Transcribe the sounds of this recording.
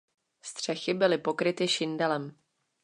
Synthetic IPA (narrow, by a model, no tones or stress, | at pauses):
st̪r̝̥ɛxɪbɪlɪpo̞kɾɪt̪ɪʃɪndɛlɛm